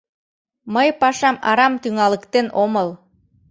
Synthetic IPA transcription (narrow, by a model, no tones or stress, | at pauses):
məjpɑʃɑmɑ̰ɾɑmt̪yŋɑləkt̪enoməlˠ